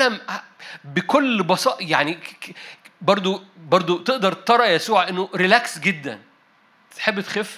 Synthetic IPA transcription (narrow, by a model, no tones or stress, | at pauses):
æm | bekolːbɑsˤɑːʔjaʕni | bɑɾˤd̪ˤobɑɾˤd̪ˤot̪eʔd̪ɑɾˤt̪ɑɾˤɑjæsuːʕʔenːoɾilæksɡed̪ːæ̰n | t̪ħebːt̪xef